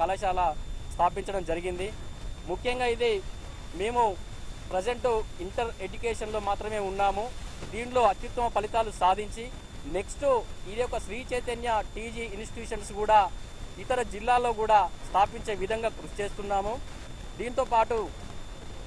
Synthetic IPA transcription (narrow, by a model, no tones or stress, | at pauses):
kɐlɐʃaːlɐst̪ʰaːpiɲt͡ʃɐɽɐmd͡ʒɐɾiɡind̪imukʰjɐŋɡaːid̪e | me̞ːmu | pɾed͡ʒeɳʈuiɳʈɐɾed͡ʒukeːʂɐnlo̞ːmaːt̪ɾɐme̞ːunːaːmud̪iːɳlo̞ːɐt̪jut̪ːɐmɐpɐlit̪aːlusaːd̪ʱiɲt͡ʃi | ne̞ksʈuid̪ijɔkːɐsɾiːt͡ʃeːt̪ɐnjɐʈiːd͡ʒiinsʈiʈjuːʂɐnskuːɽaː | it̪ɐɾɐd͡ʒilːaːlo̞ːɡuːɽaːst̪ʰaːpiɲt͡ʃe̞ːʋid̪ʱɐŋɡaːkɾuʃi̥t͡ʃe̞ːst̪unːaːmu | d̪iːnit̪o̞ːpaːʈu